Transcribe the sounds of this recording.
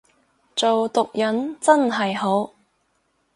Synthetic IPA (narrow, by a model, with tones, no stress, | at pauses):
t͡so˨wt̪ʊ˨k̚jɐ˨˥nt͡sɐ˥nɦɐ˨jɦo˨˥w